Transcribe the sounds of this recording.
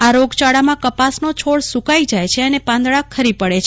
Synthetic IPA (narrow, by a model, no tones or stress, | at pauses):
aɾoɡt͡ʃaɽamãkəpasnot͡ʃʰoɭsukaid͡ʒajt͡ʃʰeənepãnd̪ɭakʰəɾipəɽet͡ʃʰ